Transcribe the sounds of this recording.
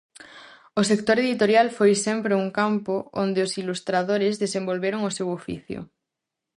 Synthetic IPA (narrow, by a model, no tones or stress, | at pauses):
osek̚t̪oɾeðit̪oɾjalfojsempɾeuŋkampoond̪eosilust̪ɾaðoɾezðesembolβeɾoŋosewofḭθjo̰